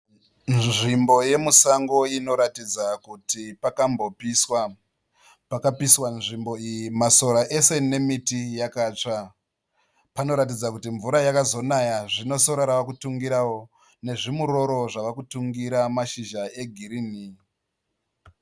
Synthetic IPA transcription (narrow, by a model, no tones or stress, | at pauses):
nʐimbo̞je̞musaŋɡo̞ino̞ɾatid͡zakutipakambo̞piswa | pakapiswanʐimbo̞ijimaso̞ɾaʔe̞se̞ne̞mitijakaːt͡ʂa | pano̞ɾat̬id͡zakutiɱvuɾajakazo̞najaʐino̞so̞ɾaɾaʋakutuŋɡiɾawo̞ | ne̞ʐimuɾo̞ɾo̞ʐaʋakutuŋɡiɾamaʃiʒae̞ɡʱiɾiːni